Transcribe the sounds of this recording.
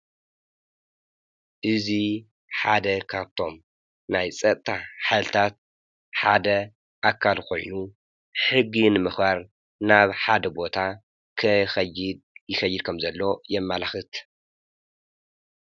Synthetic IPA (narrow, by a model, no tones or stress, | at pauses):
ʔɨzi | ħad̪ɐkʰaβt̪ʰo̞m | najt͡sʼɐt̪ʼt̪ʰʼaħajlt̪ʰat̪̚ | ħad̪ɐ | ʔakʰːalkʰo̞̰jnu | ħɨɡinɨmɨxbaɾ | naβħad̪ɐbo̞t̪ʰa | kʰɨxɐjɪd̪̚jɪxɐjːɪd̪̚kʰɐmzɐlːo̞jɛmːalaxɨt̪